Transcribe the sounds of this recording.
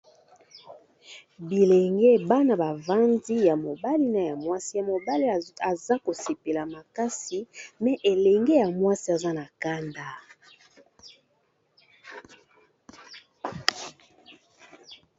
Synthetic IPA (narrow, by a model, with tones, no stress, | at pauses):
bi˨le˨ŋɡe˦˨ba˦na˨ba˨va˦ndi˦ja˨mo˨ba˦li˦na˨ja˨mwa˦si˦˨mo˨ba˦li˦˨a˨za˦ko˨se˨pe˨la˨ma˨ka˦si˨mɛ˨ʔe˨lɛ˨ŋɡe˦ja˨mwa˦si˦a˨za˦na˨ka˦nda˦